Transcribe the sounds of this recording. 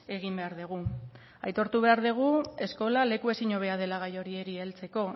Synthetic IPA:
e̞ɣ̞imbe̞aɾðueɣ̞u | ajt̪o̞ɾt̪uβ̞e̞aɾðeɣ̞ue̞sko̞lale̞kue̞siɲo̞β̞e̞aðe̞laɣajo̞ɾie̞ɾielt͡se̞ko̞

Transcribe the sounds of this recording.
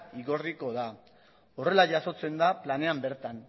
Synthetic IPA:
iɣo̞riko̞ða | o̞re̞laʝaso̞t͡se̞nd̪aplane̞ambe̞ɾt̪an

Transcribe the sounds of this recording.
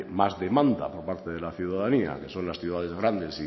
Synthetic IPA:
mazðemãnd̪a̰po̞ɾpaɾt̪eðelaθjuðaðania̰ke̞sõ̞nlasθjuðaðe̞zɣɾand̪esi

